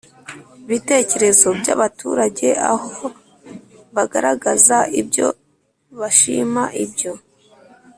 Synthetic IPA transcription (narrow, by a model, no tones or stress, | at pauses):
βite̞ːce̞ɾe̞zo̞bɟa̰βatʰuːɾaɟe̞a̰ho | βaɡa̰ɾaɡazaʔibɟo̞̰ | βaʃiːmaʔibɟo̞